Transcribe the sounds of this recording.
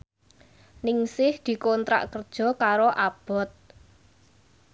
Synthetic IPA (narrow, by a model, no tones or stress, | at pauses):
nɪŋsɪhd̪̥i̤kont̪ɾa̰ʔkərd̥ʒ̥ɔ̤kaɾoʔab̥ɔ̤t̪̚